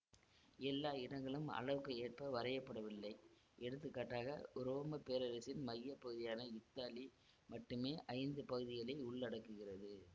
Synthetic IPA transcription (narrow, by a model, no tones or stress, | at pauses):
ɛlːaːɪɽɐŋɡɐɭɯmɐ̰ɻɐʋɯkːɐeːʈ̚pɐʋɐɾɐjɐpːɐɽɐʋɪlːɐɪ | ʔɛɽɯt̪ːɯkːaːʈːaːɣɐ̰ɾoːmɐpeːɾɐɾɐsɪnmɐjːɐpːɐɣɯðɪjaːnɐɪt̪ːaːli | mɐʈːɯmeːʔɐɪnd̪ɯpɐɣɯðɪɣɐɭɐɪʊɭːɐɽɐkːɯɣɪrɐðɯ